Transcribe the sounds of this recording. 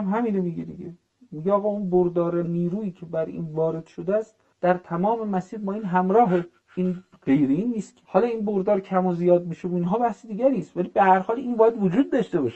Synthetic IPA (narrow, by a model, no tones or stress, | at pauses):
mɦæmiːnomiɡed̪iɟe | miɟeɒːɣɒːunboɾd̪ɒːɾeniːɾuːiːcʰebæɾḭːnvɒːɾe̞d̪̥ʃod̪eæst̪ | d̪̥æɾt̪ʰæmɒːme̞mæsiːɾbɒːiːnɦæmɾɒːɦe | iːn | ɢe̞jɾeiːnːiːst̪kʰe̥hɒːlɒːinboɾd̪ɒːɾcʰæmozijɒːd̪̚miːʃeboinɦɒːbæhsed̪iːɟæɾiːst̪vælibehæɾhɒːliːnbɒːjæd̪vod͡ʒuːd̪̚ːɒʃt̪ebɒːʃe